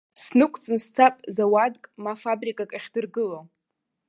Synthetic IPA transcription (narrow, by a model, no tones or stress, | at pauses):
snɨkʷʰʼt͡sʼɨnst͡sʰapʼzawadkʼmafabrikʼakʼaχʲdɨrɡɨlo